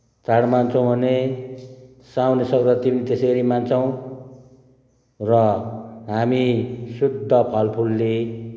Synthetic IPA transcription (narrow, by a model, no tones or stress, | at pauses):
t͡saɽmant͡sʰʌw̃bʱʌne | sawnesʌkd̪at̪imit̪eseɾimant͡sʰʌw̃ | rʌɦamisud̪ʱːʌpʰʌlpʰulːe